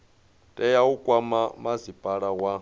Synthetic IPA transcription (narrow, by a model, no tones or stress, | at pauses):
tʼɛjaukʼwamamazipʼaɺawa